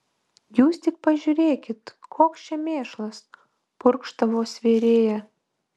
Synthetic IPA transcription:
juːst̪ʲɪk̚pɐʒʲuːɾʲeːkʲɪt̪kʰoːkst͡ʃʲɛmʲeːʃlˠɐs | pʊɾkʃt̪ɐʋoːsʋʲeːɾʲeːjɛ

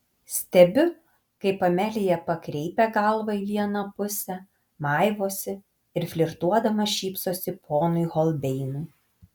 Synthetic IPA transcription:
sʲt̪ʲɛbʲʊ | kɐɪpɐmʲælʲɪjɛpɐkɾʲɛɪpʲɛɡɐlˠʋɐɪʋʲiɛnɐpʊsʲɛ | mɑˑɪʋoːsʲɪ | ɪɾfʲlʲɪɾt̪uɔd̪ɐmɐʃʲiːpsoːsʲɪpʰoːnʊɪɣɔlˠʲbʲɛɪnʊɪ

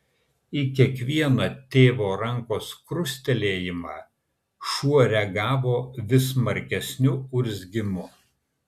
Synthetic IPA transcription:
ikʲiɛkʋʲiɛnɐt̪ʲeːʋoːɾɐŋˑkoːskɾʊsʲt̪ʲɛlʲeːjɪmɑ̰ː | ʃuɔɾʲɛɡɑːʋoːʋʲɪsmɐɾʲkʲɛsʲnʲʊʊɾʲzʲɡʲɪmʊ

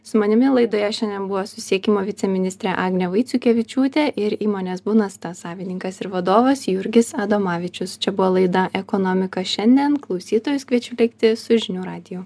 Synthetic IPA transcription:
sʊmɐnʲɪmʲɪlˠɐɪd̪oːjɛʃʲɛnʲd̪ʲɛnbʊʋoːsʊsʲiɛkʲɪːmoːʋʲɪt̪sʲɛmʲɪnʲɪst̪ɾʲɛʔɑːɡnʲɛʋɐɪt̪sʲʊkʲeːʋʲɪt͡ʃʲuːt̪ʲeʔɪɾiːmoːnʲeːsbuːnɐst̪ɐsɑːʋʲɪnʲɪŋkɐsɪɾʋɐd̪oːʋɐsjʊɾʲɡʲɪsɑd̪oːmɑːʋʲɪt͡ʃʲʊst͡ʃʲɛbʊʋoːlˠɐɪd̪ɐʔɛkoːnoːmʲɪkɐʃʲɛnʲd̪ʲiɛnklˠɒʊsʲiːt̪oːjʊskʋʲiɛt͡ʃʲʊlʲɛɪkt̪ʲɪsʊʒʲɪnʲuːɾɑːd̪ʲɪjuː

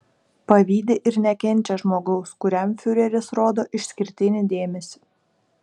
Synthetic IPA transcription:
pɐʋʲiːd̪ʲɪʔɪɾnʲɛkʲɛnʲt͡ʃʲɛʒmoːɡɐʊskʊɾʲɛmfʲʊɾʲɛɾʲɪsɾoːd̪oːʔɪʃʲsʲkʲɪɾʲt̪ʲɪnʲɪd̪ʲeːmʲɛsʲi̥ː

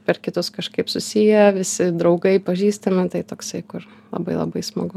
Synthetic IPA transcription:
pʲɛrkʲɪt̪ʊskɐʃkɐɪpsʊsʲijɛʋʲɪsʲɪd̪ɾɐʊɡɐɪpɐʒʲiːst̪ɐmʲɪt̪ɐɪt̪oːksɐɪkʊr | lˠɐ̰bɐɪlˠɐ̰bɐɪsmɐɡʊ

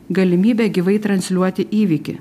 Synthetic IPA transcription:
ɡɐlʲɪmʲiːbʲɛːɡʲɪʋɐɪt̪ɾɐnʲsʲlʲuɔt̪ʲɪʔiːʋʲiːkʲɪ̰

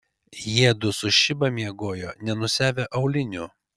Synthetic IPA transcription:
jiɛd̪ʊsʊʃʲɪbɐmʲiɛɡoːjoːnʲɛnʊsʲæːʋʲeʔɐʊlʲɪnʲu

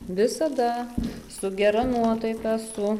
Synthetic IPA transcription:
ʋʲɪsɐd̪ɐsʊɡʲɛɾɐnuɔt̪ɐɪkɑsʊ

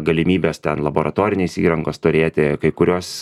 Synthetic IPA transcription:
ɡɐlʲɪmʲiːbʲest̪ʲɛnlˠɐboːɾʔɐt̪oːɾʲɪnʲeːsḭːɾɐŋɡoːst̪ʊɾʲeːt̪ʲɪkɐɪkʊɾʲoːs

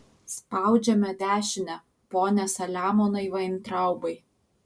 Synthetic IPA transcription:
spɑˑʊd͡ʒʲɛmʲɛd̪ʲæːʃʲɪnʲɛ | poːnʲɛsɐlʲæːmoːnɐɪʋɐɪnt̪ɾɑˑʊbɐɪ

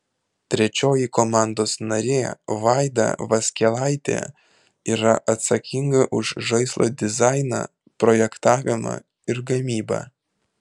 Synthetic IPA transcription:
t̪ʲɾʲɛt͡ʃʲoːjɪkomɑˑnd̪oːsnɐɾʲeːʋɑˑɪd̪ɑ̰ʋɐsʲkʲɛlˠɑɪt̪ʲḛː | iːɾɐʔɐt̪sɐkʲɪŋɡɐʔʊʃʒɐɪslˠʔo̰ːd̪ʲɪzɑɪnɑ̰ː | pɾoːjɛkt̪ɑːʋʲɪmɑ̰ | ɪɾɡɐmʲiːbɑ̰ː

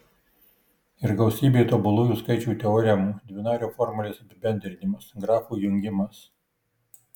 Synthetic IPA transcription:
ɪɾɡɐʊsʲiːbʲeːt̪obʊlˠuːjuːskɐɪt͡ʃʲuːt̪ʲɛɔːɾʲɛmuːd̪ʲʋʲɪnɑːɾʲoːfɔɾmɐlʲeːsɐpʲɪbʲɛnʲd̪ʲɾʲɪnʲɪmɐsɡɾɑːfuːjʊŋʲɡʲɪmɐs

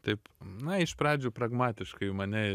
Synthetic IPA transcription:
t̪ɐɪpnɐɪʃpɾɑːd͡ʒʲuːpɾɐɡmɑːt̪ʲɪʃkɐɪmɐnʲɛ

